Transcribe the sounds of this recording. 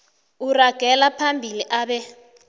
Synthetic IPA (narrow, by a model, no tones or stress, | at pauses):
uraɡ̥ʱɛlapʰambʱiliʔaːɓɛ